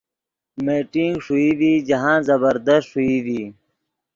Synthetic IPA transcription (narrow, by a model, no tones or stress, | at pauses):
meːʈiŋɡʂuiːd̪iːd͡ʑɐɦãːzɐbəɾd̪əstʂuiːd̪iː